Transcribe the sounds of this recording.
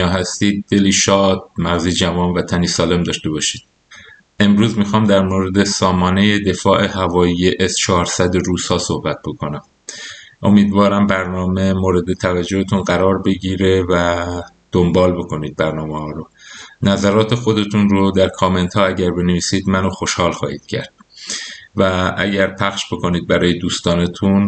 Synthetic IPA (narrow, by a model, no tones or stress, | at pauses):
ɒːɦæst̪iːd̪̚ːe̞liːʃɒːd̪̥̚mæɣziːd͡ʒævɒːnvæt̪ʰæniːsɒːle̞md̪ɒːʃt̪e̞bɒːʃiːd̪̥̚ | e̞mɾuːzmixɒːmd̪æɾmoɾe̞d̪esɒːmɒːne̞je̞d̪e̞fɒːʔe̞ɦævɒːjiːje̞ʔest͡ʃʰɒːɾsæd̪eɾuːz̥hɒːso̞hbæt̪̚b̥o̞kʰo̞næm | ʔo̞̰miːd̪vɒːɾæmbæɾnɒːme̞moːɾe̞d̪e̞t̪ʰævæd͡ʒːo̞het̪ʰunɢæɾɒːɾbe̞ɟiːɾevæ | d̪̥ombɒːlbo̞ko̞niːd̪̚bæɾnɒːmehɒːɾo | næzæɾɒːt̪ʰe̞xo̞d̪e̞t̪ʰunɾod̪æɾkʰome̞nt̪ʰhɒːæɟæɾbe̞neviːsiːd̪mænoxo̞ʃhɒːlxɒ̰ːhḭːd̪̥cʰæ̰ɾd̪̥ | vææ̰ɟæɾpʰæxʃbo̞ko̞niːd̪̚bæɾɒːjed̪uːst̪ɒːnet̪ʰun